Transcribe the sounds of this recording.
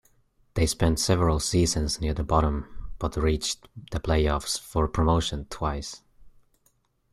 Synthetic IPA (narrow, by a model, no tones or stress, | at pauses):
ðeɪspɛ̃ntsɛvəɹəl̩ˠsizɨ̃nznɪɹðəbɑɾə̃mb̥ʌtɹit͡ʃðɨpʰl̥eɪɔfsfə˞pʰɹ̥əmoʊʃɨ̃ntʰw̥aɪs